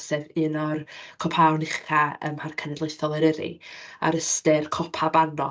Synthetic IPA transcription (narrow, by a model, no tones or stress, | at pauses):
sɛvɨnɔrkʰɔpʰawnɪχʰaə̰mharkʰənɛdleɨθɔlˠɛɾəɾḭa̰ɾəstɪrkʰɔpʰabanɔ